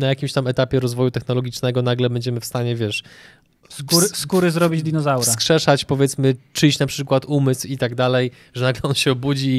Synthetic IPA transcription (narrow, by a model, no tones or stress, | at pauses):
najakʲimɕt̪amɛt̪apʲjɛɾɔzvɔjut̪ɛxnɔlɔɡʲit͡ʂnɛɡɔnaɡlɛbɛɲd͡ʑɛmɘfst̪aɲɛvʲjɛʂ | uɾskuɾɘzɾɔbʲid͡ʑd̪ʲinɔzawɾsakʂɛʂat͡ɕpɔvʲjɛt̪smɘt͡ʂɘt͡ɕnapʂɘkwat̪umɘswit̪aɡd̪alɛj | ʐɛnaɡlɛɔnɕɛɔbud͡ʑi